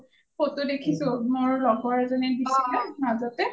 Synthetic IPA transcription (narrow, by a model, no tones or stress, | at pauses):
potʊdekʰisʊmoɹlɔɡɔɹzɔnɛbisilɛmazɔtɛ